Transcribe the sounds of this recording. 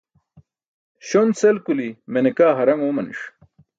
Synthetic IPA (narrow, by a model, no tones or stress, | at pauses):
ɕonsɐlkulimenekaːɦɐɾɐŋoːmɐnḭʂ